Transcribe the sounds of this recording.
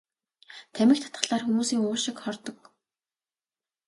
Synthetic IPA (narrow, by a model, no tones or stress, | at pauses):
t̪ʰæmʲɪ̆kt̪ʰḁt̪ɢə̆ɮaːrxumuːsiːŋʊːʃɪ̆kχɔrt̪ɞ̆k